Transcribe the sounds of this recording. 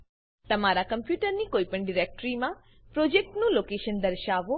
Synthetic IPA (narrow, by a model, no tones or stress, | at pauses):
t̪əmaɾakəmpjuʈəɾnikoipəɳɖiɾek̚ʈɾimã | pɾod͡ʒek̚ʈnũlokeʃənd̪əɾʃaʋo